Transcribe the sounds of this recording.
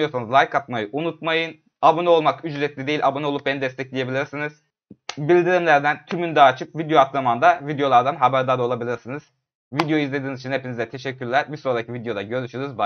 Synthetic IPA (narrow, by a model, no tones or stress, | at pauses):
jo̞ɾsanɯzlˠajkʰat̪majɯʔunut̪̚majɯn | abonɛo̞lˠmakyd͡ʒɾɛt̪lʲid̪e̞jilʲʔabonɛolˠup̚benid̪ɛst̪ʰɛclʲije̞bilʲiɾsinɯz̥ | bilʲd̪iɾimlʲæɾd̪ænt̪ʰymynd̪aːt͡ʃʰɯp̚vid̪joat̪lamand̪avid̪jo̞lˠaɾd̪anɦabæɾd̪aɾo̞lˠabilʲiɾsinɯz̥ | vid̪jo̞izlʲeiːnizit͡ʃʰinhepʰinizd̪ɛt̪ʰe̞ʃɛcʰːyɾlʲæɾbiso̞ɾd̪acʰivid̪jo̞d̪aɟø̞ɾyʃyjoɾuzba